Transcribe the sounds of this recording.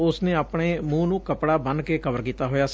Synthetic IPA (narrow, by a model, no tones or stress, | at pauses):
ʊsneːaːpɳeːmũːnũːkəpɽaːbənkeːkəbəɾkiːt̪aːɦoːjaːs